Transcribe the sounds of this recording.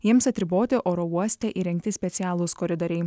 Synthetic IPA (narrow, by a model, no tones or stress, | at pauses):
jiɛmsɐt̪ʲɾʲɪboːt̪ʲɪʔoːɾɔuɔsʲt̪ʲɛʔiɾʲɛŋkt̪ʲɪsʲpʲɛt̪sʲɪæːlˠʊskɔɾʲɪd̪oːɾʲɛɪ